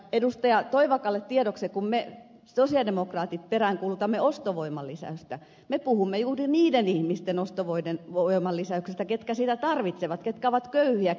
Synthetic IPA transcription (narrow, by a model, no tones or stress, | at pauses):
edust̪ɑjɑt̪oiʋɑkɑlːet̪t̪iedoksekumme | sosiɑdemokrɑːt̪it̪̚peræŋkuːlut̪ɑmːeost̪oʋoimɑlːisæ̰yst̪æ | mepuhumːejuːriniːdenihmist̪enost̪oʋoidenʋoimɑlːisæyksest̪æket̪kæsiːt̪æt̪ɑrʋit̪seʋɑt̪ket̪kæoʋɑt̪køyhiæ